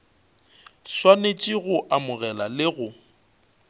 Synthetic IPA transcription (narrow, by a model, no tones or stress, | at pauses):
swanet͡ʃʼɪɣʊʔamʊɣɛlalɪɣʊ